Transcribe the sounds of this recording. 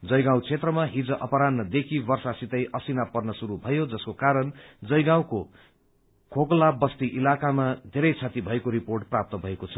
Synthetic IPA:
d͡zʌjɡãw̃t͡sʰet̪rʌmaɦid͡zʌʔʌpʌɾanːʌd̪ekʰibʌrsasit̪ʌjʔʌsinapʌrnʌsuɾubʱʌjod͡zʌskokaɾʌnd͡zʌjɡãw̃ko | kʰoklabʌst̪iʔilakamad̪ʱeɾʌjt͡sʰat̪ibʱʌekoɾiporʈ̚prap̚t̪ʌbʱʌekot͡sʰʌ̥

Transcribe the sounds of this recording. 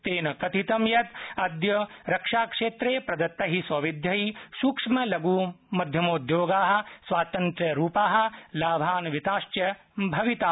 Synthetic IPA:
t̪eːnɐkɐt̪it̪ɐmjɐt̪ɐd̪jɐɾɐkʂaːkʂeːt̪ɾeːpɾɐd̪ɐt̪ːɐɦisɐʋid̪ʱjɐɦisuːkʂmɐlɐɡuːmɐd̪ʱjɐmoːd̪joːɡaːɦɐ̆sʋaːt̪ɐnt̪ɾjɐɾuːpaːɦɐ̆laːbʱaːnʋit̪aːʃt͡ʃjɐ | bʱɐʋit̪aː

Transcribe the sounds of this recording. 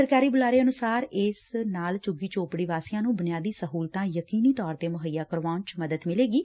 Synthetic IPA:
əɾkaːɾiːbʊlaːɾeːənʊsaːɾɪsnaːlt͡ʃʊɡiːt͡ʃoːpɽiːʋaːsijãːnũːbʊnjaːd̪iːsəɦuːlt̪ãːjəkiːniːt̪ɔːɾt̪eːmʊɦəjːaːkəɾʋãːnt͡ʃməd̪əd̪mɪleːɡiː

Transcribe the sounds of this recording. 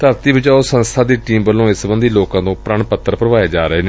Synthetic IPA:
t̪əɾt̪iːbɪd͡ʒaːoːsə̃nst̪ʰaːd̪iːʈiːmbəlːõːɪsbənd̪iːloːkãːt̪õːpɾəɳpət̪ːəɾpɾəʋaːeːd͡ʒaːɾəɦeːneː

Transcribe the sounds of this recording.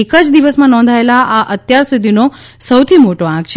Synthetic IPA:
ekəd͡ʒd̪iʋəsmãnɔ̃nd̪ʱaelaʔaʔət̪jaɾsud̪ʱino | səwt̪ʰimoʈoãkt͡ʃʰ

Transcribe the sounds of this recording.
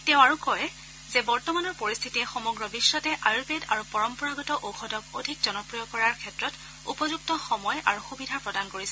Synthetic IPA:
teʊ̃aɹukɔj | zɛbɔɹtɔmanɔɹpoɹist̪ʰitiɛxɔmɔɡɹɔbisːɔtɛʔajupeda̰ɹupɔɹɔmpɔɹaɡɔtɔʔowxɔdɔkodʱikzɔnɔpɹijɔkɔɹaɹkʰɛtɹɔt | ṵpɔzuk̚tɔxɔmɔjʔa̰ɹuxubidʱapɹɔdankoɹisɛ

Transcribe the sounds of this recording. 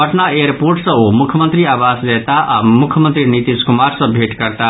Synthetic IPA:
əʈnaeɾpoɾʈsʌ̃omukʰjəmənt̪ɾiabaslet̪aʔamukʰjəmənt̪ɾinit̪iskumaɾsʌ̃bʱeʈkəɾt̪a

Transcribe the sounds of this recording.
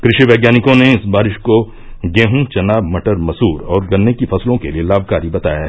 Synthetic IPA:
kɾɪʃiʋɛːɡjaːnɪkõneɪsbaːɾɪʃko | ɡẽːɦũt͡ʃɐnaːbmɐʈəɾmɐsuːɾɔːɾɡɐnːekifɐslõkelielaːbʱkaːɾibɐt̪a̰ːja

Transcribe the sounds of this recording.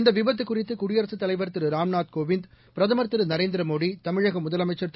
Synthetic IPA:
nd̪ɐʋɪʋɐt̪ːɯkːʊrɪt̪ːɯkʊɽɪjɐɾɐsɯt̪ːɐlɐɪʋɐɾt̪ːɯɾɯɾaːmnaːt̪̚koːʋɪnd̪pɪɾɐðɐmɐɾt̪ːɯɾɯnɐɾeːnd̪ɪɾɐmoːɽit̪ɐmɪɻɐɣɐmʊðɐlɐmɐɪt͡ʃːɐɾt̪

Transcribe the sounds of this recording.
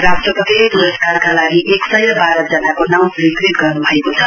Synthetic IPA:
rasʈrʌpʌt̪ipuɾʌskarkalaɡiʔeksʌjɾʌbaɾʌd͡zʌnakonaw̃rikriʈ̚ɡʌrnubʱʌekot͡sʰʌ

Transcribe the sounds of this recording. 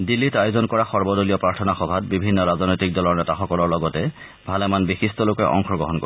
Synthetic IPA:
dilːitajʊzɔnkɔɹaxɔɹbɔdolijɔpɹaɹtʰɔnaxɔbʱatbibʱinːɔɹazɔnojtik̚dɔlɔɹnɛtaxɔkɔlɔɹlɔɡɔtɛ | bʱalɛmanbixistɔlokɛʔɔ̰ŋxɔɡɹɔɦɔnko̰

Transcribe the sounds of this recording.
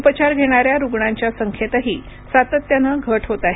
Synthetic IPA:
upət͡ɕaɾɡʱeɽ̃aɾjaɾuɡɳaɲt͡ɕjasəŋkʰjet̪aɦiː | sat̪ət̪ːjanəɡʱəʈʰɦot̪aɦe

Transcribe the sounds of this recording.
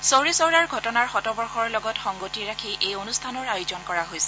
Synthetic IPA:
sowɹisɔwɹaɹɡʱɔtɔnaɹxɔtɔbɔɹxɔɹlɔɡɔtxɔŋɡotiɹakʰiʔejonustʰanɔɹajʊzɔnkɔɹaɦojsɛ̥

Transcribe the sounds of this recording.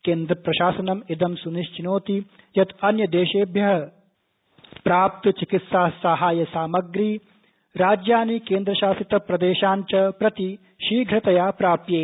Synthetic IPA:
keːnd̪ɾɐpɾɐʃaːsɐnɐmid̪ɐmsuniʃt͡ʃinoːt̪i | jɐt̪ɐnjɐd̪eːʃeːbʱjɐɦɐ | pɾaːp̚t̪ɐt͡ʃikit̪saːsɐɦaːjɐsaːmɐɡɾiː | ɾaːd͡ʒjaːnikeːnd̪ɾɐʃaːsit̪ɐpɾɐd̪eːʃaːnt͡ʃɐpɾɐt̪i | ʃiːɡʱɾɐt̪ɐjaːpɾaːpjeː

